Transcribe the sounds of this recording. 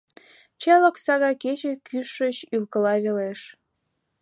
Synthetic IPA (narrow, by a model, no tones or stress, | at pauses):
t͡ɕelə̆ksɑɣɑket͡ɕĕkyʃəɕylkə̆lɑβeleʃ